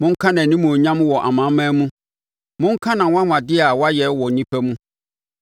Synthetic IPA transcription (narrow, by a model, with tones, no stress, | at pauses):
mʊ̃˦ŋ̩˦kʰã˦nã˨nĩ˦mũ˨ɔ˨ɲã˦m̃˦wɔ˨ʔa̰˨mã˨˦mã˦mũ˦ | mʊ̃˦ŋ̩˦kʰã˦nã˨wã˦ŋʷ˨ã˨dɪ˦a˨wa˦jɛ˨˦wɔ˨nĩ˦pʰæ˦mũ˦